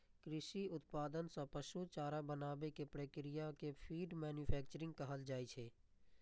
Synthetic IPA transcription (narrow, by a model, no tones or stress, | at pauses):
kɾɪʃiʊt̪paːd̪ənsãpəʃut͡ʃaːɾabənaːbekepɾəkɾijakepʰiːɖmɛːnjupʰɛːk̚t͡ʃəɾɪ̃ŋɡ̚kɐɦəld͡ʒaːit͡ʃʰeː